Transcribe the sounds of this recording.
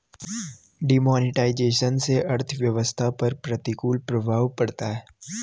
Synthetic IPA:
ɖimɔːnɪʈaːɪd͡ʒeːʃənseʔɐɾt̪ʰʋjɐʋəst̪ʰapɐɾpɾɐt̪ɪkuːlpɾɐbʱaːʋpɐɽt̪aɦɛː

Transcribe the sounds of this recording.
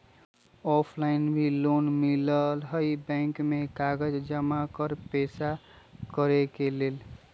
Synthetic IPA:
ɔpʰlainbʱilonmiləlɦəjbɛ̃ŋkmekaɡəd͡ʒd͡ʒəmakəɾpesa | kəɾekeleːl

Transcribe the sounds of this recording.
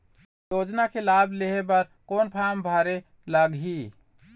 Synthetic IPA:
jod͡ʒnakʰelableɦebəɾkonpʰambʱaɾe | ləɡɦi

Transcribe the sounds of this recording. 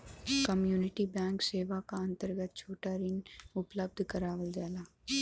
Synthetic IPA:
kɐmjuːnɪʈibɛ̃ːŋkseːʋakaɐ̃nt̪əɾɡət̪̚t͡ʃʰoːʈaɾɪnʊpləb̚d̪ʱkɐɾaːʋəld͡ʒaːlaː

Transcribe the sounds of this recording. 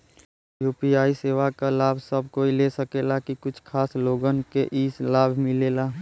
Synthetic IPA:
juːpiaːiseːʋakalaːbʱsəbʱkoːilesəkelakikʊt͡ʃʰkʰaːsloːɡənkeʔiːslaːbʱmɪleːlaː

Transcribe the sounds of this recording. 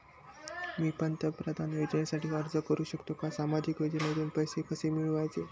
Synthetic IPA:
miːpənt̪əpɾəd̪ʱanʋed͡ʑɳjasaʈiːɦəɾd͡zəkəɾuːɕəkt̪okasamad͡ʑikʋed͡ʑenəd̪ʱuːnpəjsekəsemiɭʋajt͡se

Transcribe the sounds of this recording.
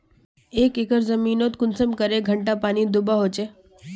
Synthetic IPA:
eːkekəɾzəmiːnoːt̪kʊnsəmkəɾeɡʱəɳʈapaːnid̪ʊbaɦoːt͡ʃeː

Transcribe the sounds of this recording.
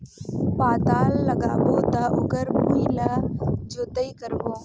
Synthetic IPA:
paːd̪aːlːɐɡaːboːt̪aʔʊɡəɾbuilad͡ʒoːd̪əikəɾʋoː

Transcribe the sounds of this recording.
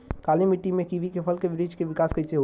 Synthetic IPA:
kaːlimiʈːimẽkibʱikepʰəlkeʋɪɾid͡ʒkeʋɪkaːskəɪseɦo

